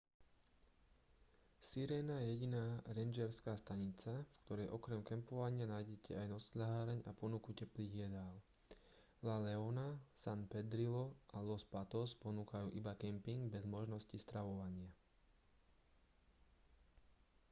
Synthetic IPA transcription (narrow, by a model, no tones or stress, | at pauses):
siɾɛːnajɛjɛɟinaːɾɛnd͡ʒɛɾskaːst̪aɲit͡safkt̪ɔɾɛjʔɔkɾɛmkɛmpɔʋaɲɪanajɟɛcɛajnɔslaɦaːɾɛɲa̰pɔnukucɛpliːɣjɛd̪aːl | lalɛɔnasanpɛd̪ɾilɔʔalɔspat̪ɔspɔnuːkajuːʔibakɛmpiŋɡbɛzmɔʒnɔscist̪ɾaʋɔʋaɲɪa